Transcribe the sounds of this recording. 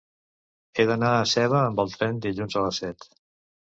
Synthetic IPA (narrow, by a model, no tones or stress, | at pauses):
eðənaəsɛβəːmbəlˠt̪ɾɛnd̪iʎunzələsɛt̪